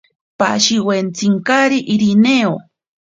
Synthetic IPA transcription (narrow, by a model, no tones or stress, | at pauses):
pa̰ʃiwent͡siŋkaɾiʔiɾineo